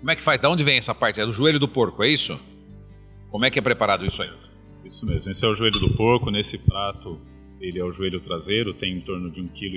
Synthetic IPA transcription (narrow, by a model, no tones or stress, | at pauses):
kõmʊ̃ɛkɪ̥fajzd̪aõd͡ʒɪvẽj̃ɛsɐpaɾt͡ʃɪɛd̪ʊʒueʎʊd̪ʊpoɾkʊɛisʊ̰ | kõmʊɛkɪɛpɾepaɾad̪ʊisʊaezmʊ | isʊmezmʊisʊɛʊʒueʎʊd̪ʊpoɾkʊnesɪpɾat̪ʊ | elɪɛʊʒueʎʊt̪ɾazejɾʊt̪ẽj̃ẽnt̪oɾnʊd͡ʒɪũkilʊ